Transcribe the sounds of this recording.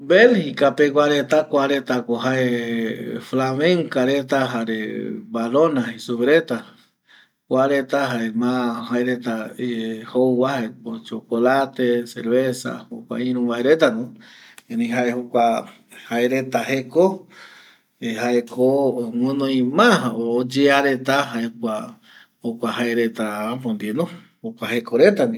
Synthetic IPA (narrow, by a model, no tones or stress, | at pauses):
belhikapek̬ʷwʷaɾet̪akʷaɾet̪akoɦae | flamẽŋkaɾet̪aɦaɾḛbaɾonaisuβɾet̪a | kʷaɾet̪aɦaemãhaeɾet̪a | howwahepot͡ʃokolat̪eseɾβesa̰hokʷa̰ĩɾũβaeɾet̪anõ | ẽnẽɦaehokʷa | haeɾet̪aɦeko | eɦaekʰoŋũnõĩmãɦːd͡ʒeaɾet̪aɦaekʷa | hokʷahaeɾet̪aapõnd̪inõ | hokʷahekoɾet̪anĩ